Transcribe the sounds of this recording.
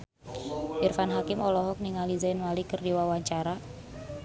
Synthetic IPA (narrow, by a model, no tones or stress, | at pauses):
irfanɦakɪmɔlɔɦɔk̚niŋalizanmalikərdiwawaɲt͡ʃaɾa